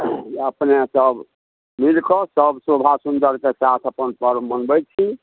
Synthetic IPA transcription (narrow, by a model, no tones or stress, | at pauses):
əpnesəb | milkɔsəbsobʱasund̪əɾkesat̪ʰəpənpəɾmənbɛt͡ʃʰi